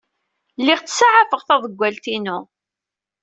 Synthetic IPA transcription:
lːɪʁt͡sːsaʕafəʁθæðˤəɡʷːælt̪inu

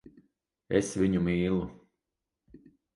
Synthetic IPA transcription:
ḛsʋiɲumiːlˠu

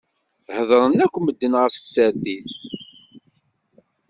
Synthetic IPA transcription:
həðˤɾˤənækʷːməd̪ːənʁəfsəd̪iθ

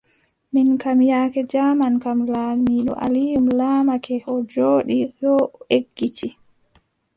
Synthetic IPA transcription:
minkamjaːkɛd͡ʒamankamlamiɗɔ̰ʔa̰lijumlaːmakɛɔd͡ʒoːɗijɔeɡːit͡ʃi

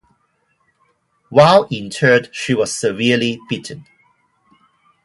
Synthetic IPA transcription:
waɪlĩntʰɜ˞dʃiwɔz̥səviəlibitʰə̃n

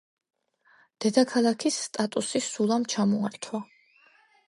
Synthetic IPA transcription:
d̪̥ɛd̪akʰalˠakʰisːt̪ʼat̪ʼusisulˠamt͡ʃʰamɔaɾt̪ʰwa

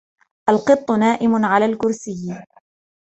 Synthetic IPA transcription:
ʔalqɨt̪ˤːʊnaːʔɪmʊʕalaːlkʊɾsɪjː

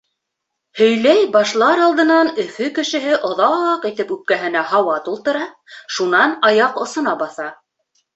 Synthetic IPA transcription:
hɵ̆jlæjbɑʃlˠɑɾɑlˠd̪ɤ̆nɑnɵ̆fɵkɘ̆ʃɘ̆ɦɘʔŏðɑqit̪ɘpʉp̚kæɦɘ̆næhɑwɑt̪ulˠt̪ɤ̆ɾɑʃunɑnɑjɑqŏsɤ̆nɑbɑθɑ

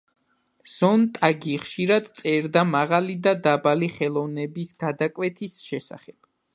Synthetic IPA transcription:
z̥ɔnt̪ʼaɡiχʃiɾad̪t̪sʼɛɾd̪amaʁalid̪ad̪abaliχɛlˠɔvnɛbisɡad̪akʼwɛt̪ʰisʃɛsa̰χɛb̥

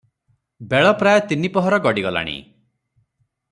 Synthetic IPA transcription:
beɭɔpɾajɔt̪inipɔɦɔɾɔɡɔɽiɡɔla̰ɽ̃ḭ

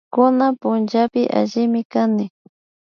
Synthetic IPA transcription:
kʊnapʊnt͡ʃapɪʔa̰ʒɪmɪkanɪ

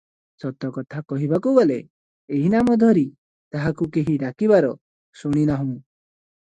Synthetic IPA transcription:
sɔt̪ɔkɔt̪ʰakɔɦibakubɔle | eɦinamɔd̪ʱɔɾi | t̪aɦakukeɦiɾakibaɾɔ | suɽ̃inaɦũ

